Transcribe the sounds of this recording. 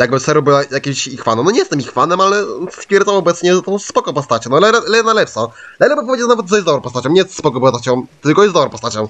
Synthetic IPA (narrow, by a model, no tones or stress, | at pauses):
jaɡ̚bɘsɛɾubɨwajakʲimɕixfanɔ̃mnɔɲɛjɛst̪ɛmixfanɛmalɛspʲjɛɾd̪zamɔbɛt̪sɲɛt̪ɔ̃w̃spɔkɔ̃w̃pɔst̪at͡ɕɛ̃nɔlɛɛlɛjɛnalɛpsɔlɛlɛbɔpɔved͡ʑɛnavɛt̪zɛjzd̪ɔɾpɔst̪at͡ɕɔ̃ɲɛjɛst̪spɔkɔ̃pɔst̪at͡ɕɔ̃w̃t̪ɘlkɔjɛsd̪ɔɾɔ̃pɔst̪at͡ɕɔ̃w̃